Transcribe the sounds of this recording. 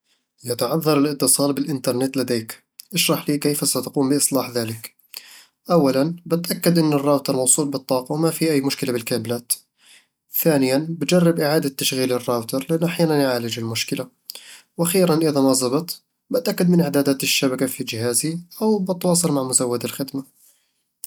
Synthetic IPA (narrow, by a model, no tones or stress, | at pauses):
jat̪ʕɑðˤːɑɾˤɪlɪt̪ːɨsˤɑːlbɪlʔɪnt̪ɑɾˤnɪt̪lad̪eːk | ʔɪʃɾˤɑħliːkejfasat̪ḁquːmbɪʔɨsˤlɑːħðaːlɪk | ʔawːalanbɪt̪ʔakːad̪ʔɪnːɪrˤːɑːbt̪ɑɾˤmɑwsˤuːlbɨt̪ˤːɑːqɑwmafiʔajːmʊʃkɪlabɪlkaːblaːt̪ | θaːnɪjanbɪd͡ʒɑrˤːɪbʔɪʕaːd̪at̪ːaʃɣiːlɪrˤːɑːbt̪ɑɾˤlɪʔanːʔaħjaːnanjʕaːlɪd͡ʒɪlmʊʃkɪla | wʔaxiːɾanʔɪðamɑzˤɑbɨt̪ˤ | bɪt̪ʔakːad̪mɪnʔɪʕd̪aːd̪aːt̪ɪʃːabakafid͡ʒɪhaːziʔawbɪt̪ːwɑːsˤɨlmaʕmʊzawːad̪alxɪd̪ma